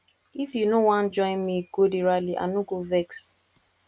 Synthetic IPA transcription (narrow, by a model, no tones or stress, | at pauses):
ifjunowãn̩d͡ʒɔ̃ɪ̃nmiɡodiɾaliʔa̰nuɡovɛks